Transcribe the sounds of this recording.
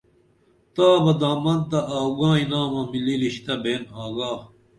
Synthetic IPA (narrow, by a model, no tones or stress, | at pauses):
t̪aːbɐd̪aːmɐnt̪ɐʔaːɡãːinaːmɐmililiɕt̪ɐbeːnaːɡaː